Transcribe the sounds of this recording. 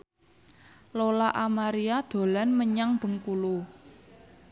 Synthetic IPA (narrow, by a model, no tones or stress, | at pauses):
lolaʔamaɾiad̪̥o̤lanməɲaŋb̥ə̤ŋkulu